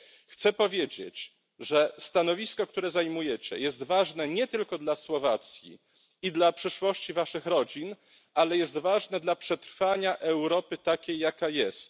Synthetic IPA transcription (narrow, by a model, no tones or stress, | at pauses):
xt̪sɛpɔvʲjed͡ʑḛt͡ɕ | ʐɛst̪anɔvʲiskɔk̚t̪uɾɛzajmujɛt͡ɕɛ̰jɛst̪vaʐnɛɲɛt̪ɘlkɔd̪laswɔvat̪sʲjḭ | id̪lapʂɘʂwɔɕt͡ɕivaʂɘxɾɔd͡ʑin | ʔalɛjɛst̪vaʐnɛd̪lapʂɛt̪ɾfaɲaʔɛwɾɔpɘt̪akʲejːakajɛst̪